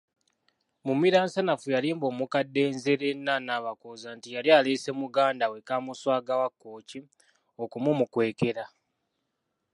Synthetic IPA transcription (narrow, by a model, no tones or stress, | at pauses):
mumiɾaːnsanafujaliːmbo̞ːmukadːe̞ːnze̞ɾe̞nːanaːβakozantijaljaːleːse̞muɡaːndawekaːmuswaːɡawakːo̞ːci | o̞kumumukwe̞ːke̞ɾa